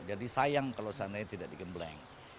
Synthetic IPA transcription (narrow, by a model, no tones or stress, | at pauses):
d͡ʒadisajaŋkalawsanaɲat̪idaʔ̚dikəmblɛ̰ŋ